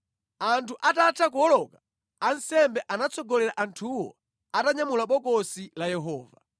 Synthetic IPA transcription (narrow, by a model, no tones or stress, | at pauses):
antʰuʔatatʰak̬uɔlɔka | ansɛmbɛʔanat͡sʰɔɡɔlɛɾaʔantʰuwɔ̰ | ataɲamulaɓɔkɔsilajɛɦɔːva̰